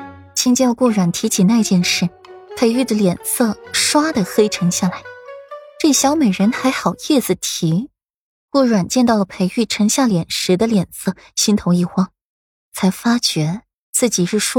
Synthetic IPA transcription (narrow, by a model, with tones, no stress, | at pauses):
t͡ɕʰi˥ŋt͡ɕjɑ˥˧ʊkwɔ˥˩ɻwa˨˩nt̪ʰi˧˥t͡ɕʰi˨˩na˥˧ɪt͡ɕjɛ˥˧nʂɻ̩˥˩ | pʰe˧˥ɪy˥˩d̪ə˩ljɛ˨˩nsɤ˥˩ʂwa˥d̪ə˨xe˥ɪʈ͡ʂʰɤ˧˥ŋɕja˥˩la˧˥ɪʈ͡ʂɤ˥˩ɕjɑ˧˥ʊme˨˩ɪɻə˧˥nxa˧˥ɪxɑ˨˩ʊjɛ˥˩t͡sɹ̩˨˩t̪ʰi˧˥ | kwɔ˥˩ɻwa˨˩nt͡ɕjɛ˥˧nt̪ɑ˥˩ʊlə˩pʰe˧˥ɪy˥˩ʈ͡ʂʰɤ˧˥ŋɕja˥˩ljɛ˨˩nʂɻ̩˧˥d̪ə˧ljɛ˨˩nsɤ˥˩ | ɕi˥nt̪ʰo˧˥ŋi˥˩xwɑ˥ŋ | t͡sʰa˧˥ɪfa˥t͡ɕɥɛ˧˥ | t͡sɹ̩˥˩t͡ɕi˨˩ʂɻ̩˥˩ʂwɔ˥